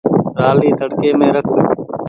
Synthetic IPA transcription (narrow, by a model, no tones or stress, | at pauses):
ɾaːliːt̪əɽkeːmẽːɾəkʰək